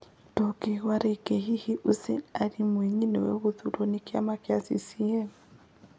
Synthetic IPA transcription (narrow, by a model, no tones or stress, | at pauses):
tɔkɛwaɾɛiɡɛɦihiʔusɛnaɾimwɛɲinɛ̰wɛ̰ɣuðuɾɔnikia̰makiasḭsiɛm